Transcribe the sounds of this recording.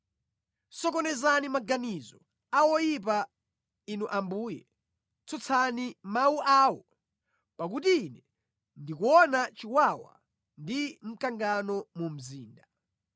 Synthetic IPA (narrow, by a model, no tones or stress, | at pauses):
sɔkɔnɛzanimaɡanizɔ | awɔjip̬a | inuʔambuːjɛ | t͡sʰɔt͡sʰanimawuʔaːwɔ | pak̬utiːnɛ | ndikuɔnat͡ʃiwawa̰ | ndim̩kaŋɡanɔmum̩ziːnda